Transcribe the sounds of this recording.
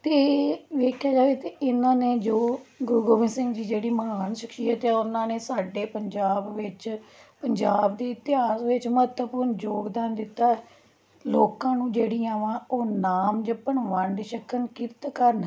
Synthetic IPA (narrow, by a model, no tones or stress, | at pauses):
t̪eːʋeːkʰːjaːd͡ʒaːʋeːt̪eːɪnãːneːd͡ʒoːɡʊɾuɡoːʋɪ̃nsɪ̃ŋɡd͡ʒiːd͡ʒeːɽiːməɦaːnʃɪkʃiːət̪ɛːʊnãːneːsaːɖeːpəɲd͡ʒaːbʋɪt͡ʃpəɲd͡ʒaːbd̪eːɪt̪ɪɦaːsʋɪt͡ʃmət̪əpuːɾnd͡ʒoːɡd̪aːnd̪ɪt̪ːaːɛ | loːkãːnũːd͡ʒeːɽiːaːʋãːoːnaːmd͡ʒəpːəɳʋəɳɖʃəkʰənkɪɾt̪kəɾn